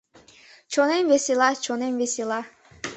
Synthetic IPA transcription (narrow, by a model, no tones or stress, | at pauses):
t͡ʃʰonenvesilˠat͡ʃʰonemvesilˠa